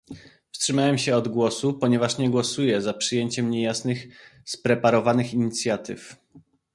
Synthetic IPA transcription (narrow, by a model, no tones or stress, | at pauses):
fstʂɘmawɛmɕɛɔd̪ɡwɔsupɔɲɛvaʂɲɛɡwɔsujɛzapʂɘjeɲt͡ɕɛmɲɛjasnɘxspɾɛpaɾɔvanɘxiɲit̪sʲjat̪ɘ̰f